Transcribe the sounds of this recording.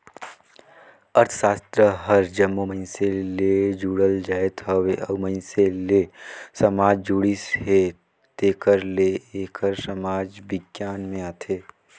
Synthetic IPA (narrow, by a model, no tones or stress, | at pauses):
ɐɾt̪ʰʃaːst̪ɾəɦəɾd͡ʒəmːoməɪnseled͡ʒuːɽəld͡ʒaːet̪ɦəweʔəməɪnselesɐmaːd͡ʒd͡ʒuːɽisɦe | t̪eːkəɾleeːkʰəɾsəmaːd͡ʒbɪɡjaːnmẽaːt̪ʰeː